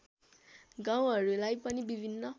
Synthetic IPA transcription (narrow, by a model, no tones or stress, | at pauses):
ɡãũaɾolaipɔnĩbivinnã